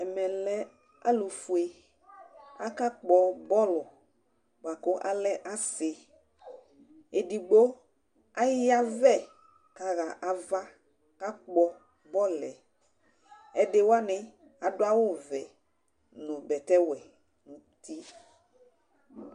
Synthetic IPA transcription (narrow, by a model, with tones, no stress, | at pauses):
ɛ˨mɛ̃˨lɛ˦ | a̰˦lu˨fu˨e˦ | a˦ka˦k͡pɔ˨bɔ˦lɔ˨ | k͡pa˨ko˦ʔa̰˦lɛ˦ʔa˦se˨ | e˨ɖi˨ɡ͡bo˦ | a˦a˦vɛ˦ | ka˨ɣa˨ʔa˨va˦ | ka˦k͡pɔ˦ | bɔ˦lɛ˨ | ɛ˦de˦wo˦a˦nɪ̃˨ | a˨do˦a˦wo˦˨vɛ˨ | nũ˨bɛ˨t̪ɛ˦wɛ˨ | nũ˨ | t̪i˦